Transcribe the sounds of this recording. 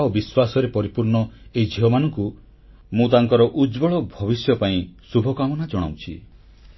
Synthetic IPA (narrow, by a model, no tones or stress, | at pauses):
obiswasɔɾepɔɾipuɾɳɔejd͡ʒʱiɦɔmanɔŋku | mũt̪aŋkɔɾɔʔud͡ʒbɔɭɔbʱɔβisjɔpaĩsubʱɔkamɔnad͡ʒɔɽ̃a̰wt͡ʃʰḭ